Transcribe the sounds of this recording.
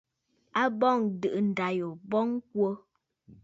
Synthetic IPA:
a˦bɔ˦˨ŋdə˨ʔn̩˨da˨jo˨bɔ˦ŋ˦k̚wo˦

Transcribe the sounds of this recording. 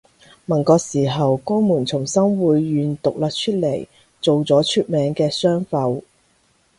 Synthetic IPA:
mɐ˨˩nkɔː˧siː˨˩ɦɐ˨wkɔː˥muː˨˩nt͡sʰʊ˨˩ŋsɐ˥mwuː˨˧jːyː˨nt̪ʊ˨k̚laː˧k̚t͡ʃʰɵ˥t̚le˨˩j | t͡so˨wt͡sɔː˨˥t͡ʃʰyː˧˥t̚mɛː˨˧ŋkɛː˧sœː˥ŋfɐ˧w

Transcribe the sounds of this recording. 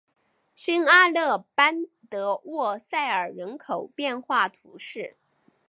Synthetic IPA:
ɕi˥ŋa˥lɤ˥˩pa˥n | t̪ɤ˧˥wɔ˥˧sa˥˩ɪə˞˨˩ɻə˧˥nkʰo˨˩ʊpjɛ˥˧nxwa˥˩t̪ʰṵ˧˥ʂɻ̩˥˩

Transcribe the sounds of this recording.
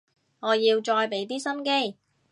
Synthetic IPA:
ŋɔː˨˧jiː˧wt͡ʃɔː˧jpe˨˥jt̪̬iː˥sɐ˥nke˥j

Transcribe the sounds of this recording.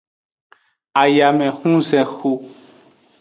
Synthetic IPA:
a˨ja˨mɛ̃˨xũ˦zɛ̃˨xu˦

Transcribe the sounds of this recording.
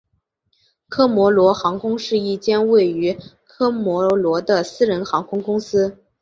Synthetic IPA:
kʰɤ˥mwɔ˧˥lwɔ˧˥xɑ˧˥ŋkʰʊ˥ŋʂɻ̩˥˧i˥˩t͡ɕjɛ˥nwe˥˩ɪy˧˥kʰɤ˥mwɔ˧˥lwɔ˧˥d̪ə˧sɹ̩˥ɻə˧˥nxɑ˧˥ŋkʰʊ˥ŋkʊ˥ŋsɹ̩˥

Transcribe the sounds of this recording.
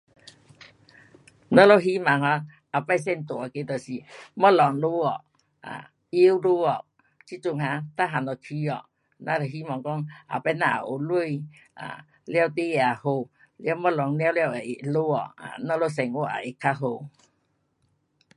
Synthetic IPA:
nɔ˦lo˦ɦi˦ma˨ŋɦa˧˦ | a˨˩pa˧˨js̬ɛ˧˨nt̪o˨a˨ke˧˦t̪ə˨si˨mɔ˦lɔ˨ŋlu˦ɔ˨ | a̰˨ | i˦wlu˦ɔ˨ | t͡ɕi˦t͡su˧˨ŋɦa˧t̪a˦ɦa˨nɔ˨k̪ʰi˧ɔ̰˨ | na˧˨ɾɦi˦ma˨ŋkɔ˦ŋʔa̰˨pa˧˦na˧a̰˨ʔo˨lu˧˨j | a̰˨ | lja˧wt̪e˦˧˨a˨˩ho˧ | lja˧˦wmɔ˦˧lɔ˨ŋlja˧˦wlja˧we˨ʔe˨ʔlo˦ɔ̰˨a̰˨nɔ˧lo˦sɛ˨˩ŋo˧˦ʔa̰˨ʔe˨kʰːa˧˦ɦo˧

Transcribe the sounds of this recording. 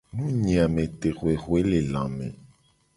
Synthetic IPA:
nũ˦ɲĩ˨a˨mẽ˨t̪e˨ɣo˨e˨ɣwe˦le˨lã̰˨mḛ̃˨

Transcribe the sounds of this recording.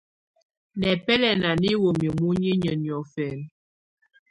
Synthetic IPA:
nɛ˨pɛ˦lɛ˨na˨ni˦wo˨mjə˨mu˦ɲi˦ɲə˨njɔ˨fɛ˨n

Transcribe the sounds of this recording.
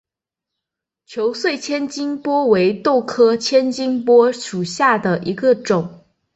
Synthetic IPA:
t͡ɕʰjo˧˥ʊswe˥˩ɪt͡ɕʰjɛ˥nt͡ɕi˥ŋpwɔ˥we˧˥ɪt̪o˥˩ʊkʰɤ˥t͡ɕʰjɛ˥nt͡ɕi˥ŋpwɔ˥ʂu˨˩ɕja˥˩d̪ə˩ʔi˧˥ɡə˧ʈ͡ʂʊ˨˩˦ŋ

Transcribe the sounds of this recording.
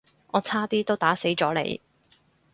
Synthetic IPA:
ʔɔː˨˧t͡sʰaː˥t̪iː˥t̪o˥wt̪aː˨˥se˨˥jt͡sɔː˨˥lḛ˨˧j

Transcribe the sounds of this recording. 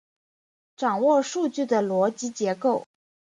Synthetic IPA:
ʈ͡ʂɑ˨˩ŋwɔ˥˧ʂu˥˧t͡ɕy˥˩d̪ə˩lwɔ˧˥t͡ɕi˧˥t͡ɕjɛ˧˥ko˥˩ʊ

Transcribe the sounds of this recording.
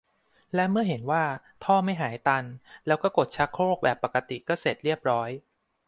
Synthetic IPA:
lɛ˦˥mɯ˥˩əɦe˩˦nwaː˥˩ | t̪ʰɔː˥˩ma˥˩jɦaː˩˦jt̪a˧nlɛː˦˥wkɔː˥˩ko˨˩t̪̚t͡ɕʰa˦˥kʰːɾoː˥˩k̚bɛː˨˩pːa˨˩kːa˧t̪i˨˩kɔː˥˩se˨˩t̪̚ɾi˥˩əp̚ɾɔː˦˥j

